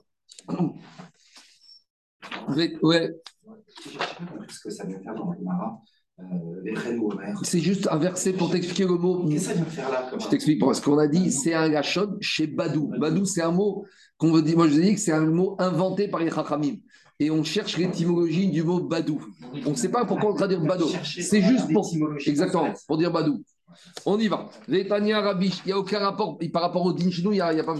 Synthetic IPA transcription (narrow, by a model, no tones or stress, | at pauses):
vɛwɛ | ssaɛ̃t̪ɛʒ̃kamaʁa | ɛɛsɛʒyst̪ɛ̃vɛʁsɛpuʁt̪ɛksplikʲeləmo | aʒət̪ɛksplik̚psə̥kɔ̃nad̪isɛɛ̃ɡaʃɔnʃebad̪ubad̪usɛt̪ɛ̃mo | kɔ̃vad̪imwaʒəvzɛd̪ikə̥sɛt̪ɛ̃moɛ̃vɑ̃t̪epaʁleχaχamim | eɔ̃ʃɛʁʃlet̪imɔlɔʒid̪ymobad̪uɔ̃sɛpapuʁkwaɔ̃d̪ʁad̪iʁbad̪osɛʒyst̪puʁɛɡzak̚t̪əmɑ̃puʁd̪iʁbad̪u | ɔ̃nivavet̪anjɛ̃aʁabiʃiljaokʲɛ̃ʁapɔʁpaʁːapɔʁod̪inʃenuiljailjapa